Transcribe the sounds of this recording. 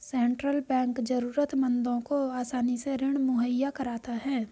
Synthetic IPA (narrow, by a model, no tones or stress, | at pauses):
sɛ̃ːɳʈɾəlbɛ̃ːŋkd͡ʒəɾuːɾət̪mə̃nd̪õkoaːsaːniseɾɪɽ̃mʊɦəjːakəɾaːt̪aɦɛ̃ː